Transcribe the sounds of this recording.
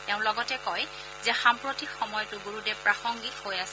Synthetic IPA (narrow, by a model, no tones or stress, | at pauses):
tɛʊ̃lɔɡɔtɛkɔj | zɛxampɹotikxɔmɔjɔtʊɡoɹudɛpɹaxɔŋɡithojasɛ